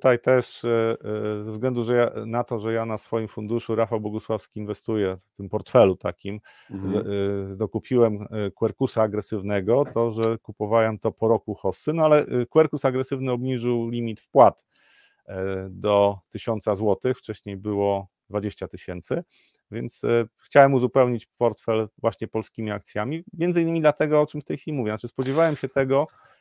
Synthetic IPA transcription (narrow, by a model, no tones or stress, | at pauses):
t̪ut̪ajt̪ɛʂ | zɛvzɡlɛnd̪uʐɛjanat̪ɔʐɛjanasfɔjimfund̪uʂuɾafawbwɔɡuswafskʲiːnvɛst̪ujɛft̪ɘmpɔɾt̪fɛlut̪akʲim | zd̪ɔkupʲiwɛmkwɛɾkusaːɡɾɛsɘvnɛɡɔt̪ɔʐɛkupɔvawɛmt̪ɔpɔɾɔkuxɔsːɘnɔalɛkwɛɾkusaɡɾɛsɘvnɘɔbɲiʐɘwlʲimʲit̪fpwat̪ | d̪ɔt̪ɘɕɔnt̪sazwɔt̪ɘxft͡ʂɛɕɲejbɘwɔ | d̪vad͡ʑeɕt͡ɕat̪ɘɕɛnt̪sɘ | vʲjɛnt̪sxt͡ɕawɛmuzupɛwɲit͡ɕpɔɾt̪fɛlvwaɕɲɛpɔlskʲimʲiak̚t̪sʲjamʲimʲjɛnd̪zɘinːɘmʲid̪lat̪ɛɡɔɔt͡ʂɘmft̪ɛjfʲilʲimuvʲjɛnat͡ʂɘspɔd͡ʑɛvawɛmɕɛt̪ɛɡɔ